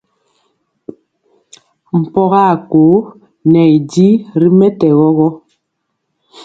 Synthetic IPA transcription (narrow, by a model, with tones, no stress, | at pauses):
m̩˨pɔ˦ɣa˦˨ko˨˦ | nɛ˨i˨di˦ɾi˦mɛ˦tɛ˨ɣɔ˦ɣɔ˦